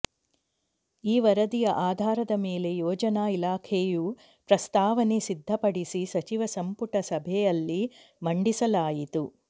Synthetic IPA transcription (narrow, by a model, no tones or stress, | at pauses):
iːʋɐɾɐd̪ijɐʔaːd̪ʱaːɾɐd̪ɐmeːle̞jɔːd͡ʒɐnaːilaːkʰeju | pɾɐst̪aːʋɐnesid̪ʱːɐpɐɽisisɐt͡ʃiʋɐsɐmpuʈɐsɐbʱɛjɐlːi | mɐɳɖisɐlaːjit̪u